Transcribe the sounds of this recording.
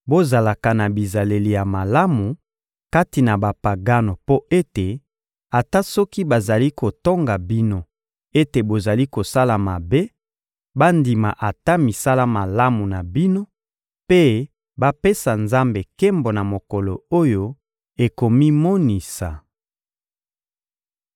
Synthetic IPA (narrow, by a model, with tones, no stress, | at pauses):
bo˦za˨la˨ka˨na˨bi˨za˨le˨li˨ja˨ma˨la˦mu˨ | ka˦ti˨na˨ba˨pa˨ɡa˦no˨po˦e˦te˨ | a˨ta˦sɔ˦ki˦ba˨za˨li˦ko˨to˦ŋɡa˨bi˦no˦ | e˦te˨bo˨za˨li˦ko˨sa˦la˨ma˨be˦ | ba˦ndi˨ma̰˨ʔa˨ta˦mi˨sa˦la˦ma˨la˦mu˨na˨bi˦no˦ | pe˦ | ba˦pe˦sa˨nza˦mbe˨kɛ˦mbo˨na˨mo˨kɔ˨lo˨o˦jo˦ | e˨ko˨mi˦mo˦ni˨sa̰˨